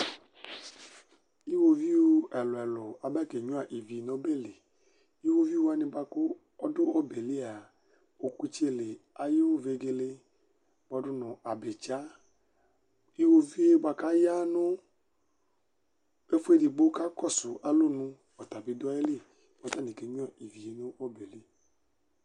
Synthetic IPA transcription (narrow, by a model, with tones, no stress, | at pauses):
i˦wo˧vi˦o˦ɛ˨lʊ˨ɛ˨lʊ˨a˨ba˦˨ke˨ɲũ˦a˨ʔi˨vi˨nõ˨˦be˦˨le˨ | i˦wo˦vi˦u˦a˧nĩ˧ba˧ko˦ | ɔ˦dʊ˦ɔ˦be˨li˦a˨ | o˨ku˦t͡ʃe˦˨le˨a˨je˦ve˨ɡe˧le˧ | bɔ˨˧˦dʊ˦nʊ̃˨a˨be˨t͡ʃa˨˦ | i˦wo˦vi˦e˦ba˧ka˦ja˦nʊ̃˦ | e˦fu˦e˦di˨ɡ͡bo˦ka˦kɔ˦˨sʊ˨a˨lo˦nũ˧ | ɔ˨t̪a˨bi˧dʊ˦a˦e˦li˦˨ | bɔ˨˦ta˦˨nĩ˨ke˨ɲũ˦a˨i˨vi˨e˨˦nʊ̃˦ɔ˦be˨li˦